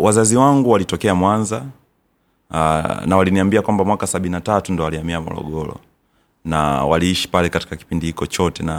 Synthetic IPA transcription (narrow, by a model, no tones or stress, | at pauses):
wazaziwaŋɡuwalitɔkɛamwanza | nawaliniambiakwambamwakasaɓininatatundɔwaliamiamɔ̰lɔ̰ɠɔlɔ̰ | na̰wa̰liiʃi̥palɛkati̥kaki̥pindihikɔt͡ʃɔtɛna